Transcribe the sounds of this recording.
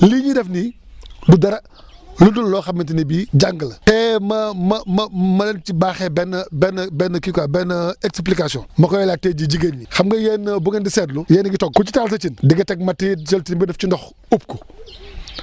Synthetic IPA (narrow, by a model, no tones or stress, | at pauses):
liɲidɛfnidudɐɾɐ | lundullɔːxɐmːint̬inibid͡ʒaŋɡlɐtɛmɐmɐmɐmɐlɛnt͡ʃibaːxɛbɛnɐbɛnɐbɛnːɐkikabɛnɐɛksplikasijɔnmɐkɔjɛlatɛːɟiɟiɡɐnixɐmɡɐjɛːnːɐbuŋɐndisɛːtlujɛːnɐɡitɔɡ̚kut͡ʃitaːls̬ɐt͡ʃindiɡɐtɛɡ̚mɐtit͡ʃɐltinbidɛft͡ʃindɔx | up̚ku